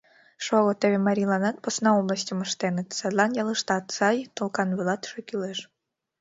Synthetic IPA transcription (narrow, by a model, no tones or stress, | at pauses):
ʃoɣot̪əβʲemɑɾʲilˠɑnɑt̪̚posnɑoblˠəsʲtʲəməʃt̪enət̪sɑd̪lˠɑnjɑlˠɯʃt̪ɑt̪sɑjt̪olˠkɑnβɨlɑt̪ʃokyleʃ